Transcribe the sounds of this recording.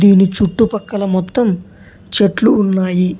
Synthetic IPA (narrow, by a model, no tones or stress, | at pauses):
iːnit͡ʃuʈːupɐkːɐlɐmɔt̪ːɐm | t͡ʃeʈluːnːaːji